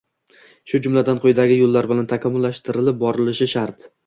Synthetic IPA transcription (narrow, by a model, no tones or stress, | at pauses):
ʃʊd͡ʒʊmlad̪anqʰojd̪aɡʲɪjolːaɾbɪlant̪ʰakʲʰɒmːʊlːaʃt̪ɪɾɪlɪp̚bɒɾɪlɪʃɪʃaɾt̪